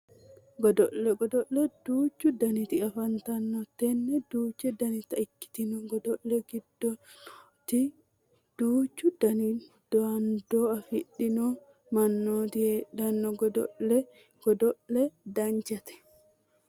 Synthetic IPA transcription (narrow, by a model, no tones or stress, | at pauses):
ɡɔd̪ɔlːɛɡɔd̪ɔlːɛd̪̥uːt͡ʃːud̪ɐnit̪ɪkɐfɐnt̪ɐnːɔt̪ɛnːɛd̪uːt͡ʃːɛd̪ɐnit̪ɐɪkːɪ̥t̪inɔɡɔd̪ɔlːɛɡɪd̪ːɔ | t̪i | d̪̥uːt͡ʃːud̪ɐni | d̪̥ɔand̪ɔɐfɪɗːɪnɔ | mɐnːot̪ɪɛdɐnːɔɡɔd̪ɔɛ | ɡ̥ɔd̪ɔʔɛd̪ɐɲd͡ʒɐt̪ɛ̥